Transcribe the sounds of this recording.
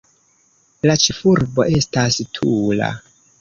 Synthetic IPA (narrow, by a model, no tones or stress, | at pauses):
lat͡ʃifuɾbo̞ʔe̞stastʰula̰